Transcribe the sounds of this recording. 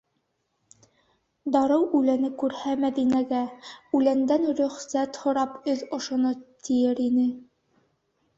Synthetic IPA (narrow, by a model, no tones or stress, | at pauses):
d̪ɑɾɤwʉlænɘkʉɾhæmæðinæɡæʉlænd̪ænɾɵ̆χsæt̪hŏɾɑpɵðŏʃŏnot̪ijɘɾinɘ